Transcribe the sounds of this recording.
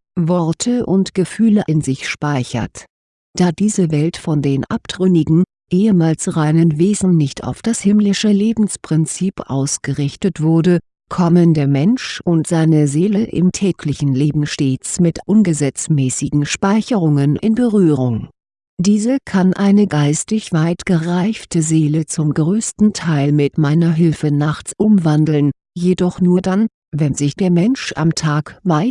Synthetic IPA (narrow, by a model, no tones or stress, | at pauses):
vɔɐtʰəʔʊntɡ̥əfyːləʔɪnzɪçʃpaɪçɐ̰t | d̥aːdiːzəvɛltfɔndeːnʔa̰pd̥ʁʏnɪɡŋ̩ | ʔeːəmaːlsʁaɪnənveːzn̩nɪçtʰa̰ʊfd̥ashɪmlɪʃəleːbm̩spʁ̥ɪnt͡siːpʔa̰ʊsɡ̥əʁɪçtətv̥ʊɐdə | kʰɔməndeːɐmɛnʃʔʊntz̥aɪnəzeːləʔɪ̰mtʰɛːkʰlɪçn̩leːbm̩ʃteːt͡smɪtʔʊnɡəzɛt͡smɛːsɪɡŋ̩ʃpaɪçəʁʊŋənʔɪ̰nbəʁyːʁʊŋ | d̥iːzəkʰanʔaɪnəɡaɪstɪçv̥aɪtɡ̥əʁaɪftəzeːlət͡sʊmɡʁøːstn̩tʰaɪlmɪtmaɪnɐɦɪlfənaχt͡sʔʊmvandl̩n | jedɔχnuːɐdan | vɛnzɪçd̥eːɐmɛnʃʔa̰mtʰaːkvaɪt